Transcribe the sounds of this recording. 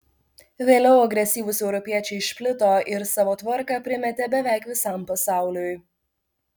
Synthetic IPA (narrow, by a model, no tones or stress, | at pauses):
ʋʲeːlʲɛʊɐɡɾʲɛsʲiːʋʊsɛʊɾɔpʲiɛt͡ʃʲɛɪʃpʲlʲɪt̪oːʔɪɾsɑːʋoːt̪ʋɐɾkɐpʲɾʲɪmʲɛt̪ʲɛbʲɛʋʲæːkʋʲɪsɑmpɐsɑˑʊlʲoj